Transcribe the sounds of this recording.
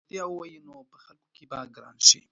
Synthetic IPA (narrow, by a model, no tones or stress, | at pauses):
d̪jawwajinopəxalkokibaɡəɾa̰nʃḭ